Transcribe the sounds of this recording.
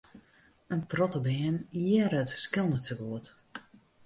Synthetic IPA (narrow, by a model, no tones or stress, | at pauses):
ənprɔtəbɪənjɛɾətskɪlˠnəsəɡuət